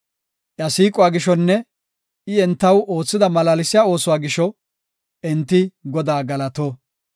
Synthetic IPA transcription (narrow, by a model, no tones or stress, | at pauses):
ʔjɐsiːkʼʊwaːɡɪʃɔnːɛ | ɪɛnt̪ːɐwoːt͡sːɪd̪ɐmɐlaːlɪsɪjaːo̞ːsʊwaːɡɪʃɔ | ɛnt̪ːɪɡɔd̪aːɡɐlɐt̪oː